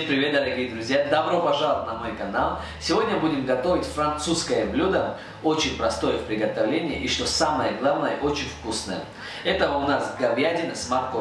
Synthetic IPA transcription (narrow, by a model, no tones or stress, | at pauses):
npɾʲɪvʲet̪̚d̪ɐɾɐɡʲijəd̪ɾʊzʲjad̪ɐbɾopɐʐalˠt̪nɐmojkɐnalˠ | sʲɪvo̞dʲnʲəbudʲɪmɡɐt̪o̞vʲɪtʲfɾɐnt̪suskəjəblʲud̪ə | ot͡ɕɪnʲpɾɐst̪o̞jəfpɾʲɪɡɐt̪ɐvlʲenʲɪjəʔiʂt̪o̞saməjəɡlˠavnəjəʔo̞t͡ɕɪnʲfkusnəjə̰ | ɛt̪əəʊnasɡɐbjadʲɪnɨsmarko